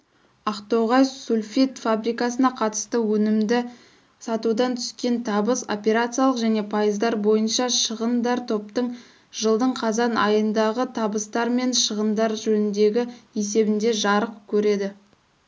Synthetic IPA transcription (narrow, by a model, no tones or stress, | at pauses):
ɑqt̪o̞ʁɑjsulʲfit̪fabɾijkɑsənɑqʰɑt̪ə̥st̪əwɵnɪmd̪ɪ | sɑt̪ud̪ɑnt̪ʰʏ̥skʲe̞nt̪ʰɑbəso̰pʲe̞ɾat̪sijalˠəqʒæne̞pʰajəzd̪ɑɾbo̞jənʃɑʃəʁənd̪ɑɾt̪ʰo̞p̚t̪əɴ | ʒ̥əlˠd̪əɴqʰɑzɑnɑjənd̪ɑʁət̪ʰɑbəst̪ɑɾme̞nʃəʁənd̪ɑɾʒɵnɪnd̪e̞ɡʲɪese̞bɪnd̪e̞ʒɑɾəqkʲʰɵɾe̞d̪ɪ